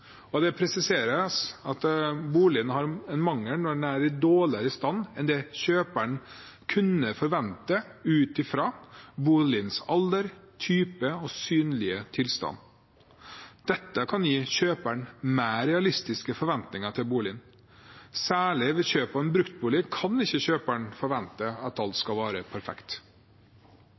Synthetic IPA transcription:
ɔd̪ɛpʰɾɛsɪseːɾəsɑt̪buːlɪnhɑɾɛnmɑŋːəɳɔnæːɾɪd̪oːlɪɾəst̪ɑnːɛnd̪ɛɕøːpæɳ | kʰʉnːəfɔɾʋɛnt̪əʉːt̪ɪfɾɑːbuːlɪnsɑld̪əɾt̪ʰyːpəɔsyːnlɪət̪ʰɪlst̪ɑ̰n | d̪̥ɛt̪ːəkʰɑnjiːɕøːpæɳmæːɾɛɑlɪst̪ɪskəfɔɾʋɛnt̪nɪŋəʈ̪ʰɪlbuːlɪn | sæːɭɪʋɛɕøːpəɛnbɾʉkt̪̚buːlɪkʰɑnɪçːəɕøːpæɳfɔɾʋɛnt̪əɑt̪ɑlt̪skɑlʋɑːɾəpʰæɾfɛ̰kt̪

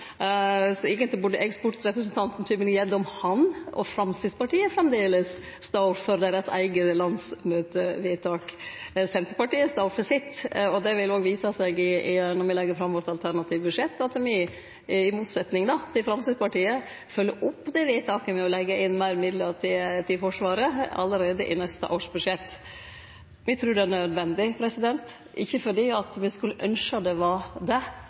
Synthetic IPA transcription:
sɔɪɡənt̪ɪbʉɖəʔɛkspɔʈɾɛpɾəs̬ənt̪ʰɑnt̪n̩t̪ʰyːpənɪjɛd̪ɔmhɑnɔ̰fɾɑmsɪspɑʈiːəfɾɑmd̪eːləs | st̪ɑɾfɔɾd̪eɪɾəsæ̰ɪɡəlɑnsmøːt̪əʋɪt̪ʰɑːksɛnt̪əɾpɑʈiːəst̪ɑʊɾfɔsɪt̪ːɔd̪ɛʋɪloːɡʋiːsəsɛɡɪɪnɔɾʋɪlɛɡːəɾfɾɑmːʋɔʈ̪ːɑlt̪ʰæɾɳɑt̪ʰiːʋəbʉʂɛt̪ːɑt̪mɪ | ɪmuːt̪sɛt̪nɪŋd̪ɑt̪ʰɪlfɾɑmsɪd̪pɑʈiːə | fœlːəʔʊpːd̪ɛʋɪt̪ʰɑːkəmɛɔlɛɡːəɪnːmæɪɾmɪd̪ləɾʈɪt̪ʰɪlfɔʂʋɑːɾəɑ̰lːəɾeːd̪əʔɪ̰nɛst̪ə̰ʔoːʂbʉd̪ʂɛt̪ː | mɪt̪ʰɾʉːɖɛæɳœd̪ʋɛnd̪ɪpʰɾɛsɪd̪ɛnt̪ | ʔɪ̰çːəfɔɖiːɑt̪ʋɪskʉlːəʔœnʂəd̪ɛʋɑd̪ɛ

